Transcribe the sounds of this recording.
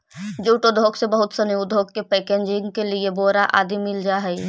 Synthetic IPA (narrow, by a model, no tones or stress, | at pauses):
d͡ʒuːʈod̪ʱoːɡsebɐɦʊt̪sɐnjud̪ʱoːɡ̚kepeːkẽːnd͡ʒɪ̃ŋɡkelieboːɾaʔa̰ːd̪imɪld͡ʒaɦɛi